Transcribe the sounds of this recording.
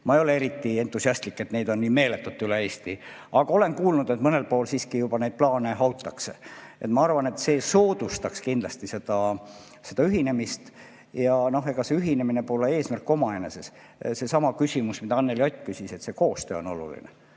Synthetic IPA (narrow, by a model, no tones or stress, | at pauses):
mɑejo̞le̞e̞ɾit̪ːˑie̞nt̪ːˑusiɑst̪likːe̞t̪ne̞jd̪̥o̞nːiːme̞ːlet̪ːˑut̪ːˑyleeːst̪i | ɑɡ̥ɑole̞nkuːlnud̪̥e̞t̪mɤne̞lpo̞ːlsiːskijubɑne̞jd̪̥̚plɑːneɦɑwt̪ːˑɑkseʔet̪mɑɑrvɑne̞t̪se̞ːsoːd̪̥ust̪ɑkskind̪lɑst̪ise̞d̪̥ɑ | se̞d̪̥ɑyɦine̞mist̪ | jɑno̞ɦe̞ɡ̥ɑse̞yɦine̞mine̞poːlee̞ːsmærkːo̞mɑeneses | se̞sɑmɑkysʲimusmid̪ɑɑnːe̞ljot̪ʲːˑkysise̞t̪se̞ko̞ːst̪ø̞̰ːo̞̰no̞lṵlḭnḛ